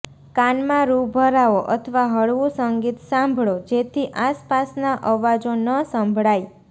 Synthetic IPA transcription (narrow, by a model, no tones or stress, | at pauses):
kanmãɾubʱəɾaoʔət̪ʰəʋaɦəɭʋũsəŋɡit̪sãmbʱɭod͡ʒet̪ʰiʔaspasnaʔəʋad͡ʒonəsəmbʱɽaj